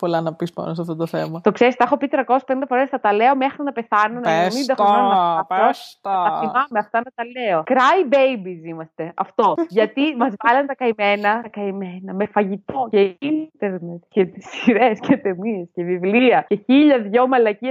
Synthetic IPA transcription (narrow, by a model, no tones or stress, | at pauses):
polɐnɐpispɐ̰nosɐft̪ot̪oθemɐt̪o̞kseɾist̪ɐxo̞pit̪ɾɐko̞sespeind̪ɐfo̞ɾesnɐt̪ɐleo̞me̞xɾinɐpeθɐnonɐeemind̪ɐeɐɐɐfoɐt̪ɐθimɐmeɐft̪ɐnɐt̪ɐleo̞kɾɐjbejbizimɐst̪e̞ɐ̰ft̪o̞ʝɐt̪imɐzvɐlɐnt̪ɐkɐime̞nɐt̪ɐkɐimenɐmefɐʝit̪o̞ceint̪eɾnet̪̚cet̪isiɾescet̪emiescevivliɐceçiʎɐðʝo̞mɐlɐciɐ